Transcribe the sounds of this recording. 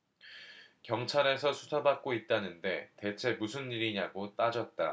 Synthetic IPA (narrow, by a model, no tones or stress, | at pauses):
kjʌŋt͡ɕʰaɾe̞s̬ʰʌsʰu̥sʰabak̚k͈oit̚t͈anɯnde̞te̞t͡ɕʰe̞musʰɯnːiɾiɲaɡot͈ad͡ʑʌt̚t͈a̰